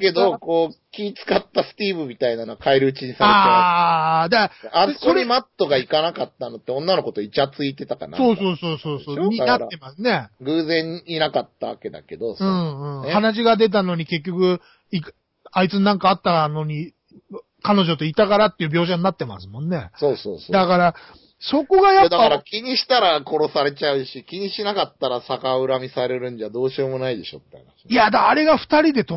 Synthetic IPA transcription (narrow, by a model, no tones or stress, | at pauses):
ke̞d̪o̞ko̞ːkʲiːt͡sɨ̥kat̪ːasɨ̥t̪ʲiːbɯ̟mʲit̪ainanoakaeɾɯ̟ɯ̟t͡ɕiɲ̟isaaeːe | d̪aaoɾimat̪ːo̞ɡaikanakat̪ːano̞t̪ːeõ̞nːano̞ko̞t̪o̞it͡ɕat͡sɨit̪e̞t̪aka̰na̰so̞ːso̞ːso̞ːso̞ːso̞ːɲinaːe̞masɨne̞ɡɯ̟ːzẽ̞ɲinakat̪ːa̰βa̰ke̞d̪a̰ke̞d̪o̞sɯ̟̃ːɯ̟̃ɴhanaʑ̬iɡad̪e̞t̪̬ano̞ɲ̟ike̞k̬ʲːo̞kɯ̟ | i | ait͡sɨnãŋkaːt̪ːano̞ɲ̟i | kano̞ʑo̞t̪o̞it̪akaɾat̪ːe̞iɯbʲo̞ːɕ̬aɲ̟inat̪ːe̞ma̰sɨmõ̞nːe̞soːso̰ːsod̪akaɾa | so̞ko̞ɡajad̪akaɾakʲiɲ̟iɕi̥t̪aɾako̞ɾo̞saɾe̞t͡ɕaɯ̟ɕikʲiɲ̟iɕinakat̪ːaɾasakaɯ̟ɾamʲisaɾe̞ɾɯ̟̃ɲ̟d͡ʑad̪o̞ːɕiomo̞naid̪e̞ɕo̞̰t̪ːeha̰naɕi̥ijad̪aːɾe̞ɡaɸɯ̟̥t̪aɾʲid̪e̞t̪o